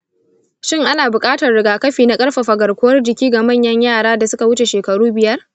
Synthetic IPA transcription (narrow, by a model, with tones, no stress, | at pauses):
ʃɪ˦˨ŋʔa˦naː˨bʊ˨kʼaː˦tɐ˨rɽɪ˨ɡaː˨kɐ˦ɸiː˨na˦kʼɐ˦ɽɸa˨ɸɐ˨ɡɐ˨rkʷʊ˦wɐ˦rd͡ʒɪ˨kʲiː˦ɡa˨mɐ˦˨ɲjɐ˦ɲjaː˦˨ɽaː˦da˨sʊ˦ka˨wʊ˦t͡ʃe˨ʃeː˨kɐ˨ɽuː˦bɪ˨jɐ˦r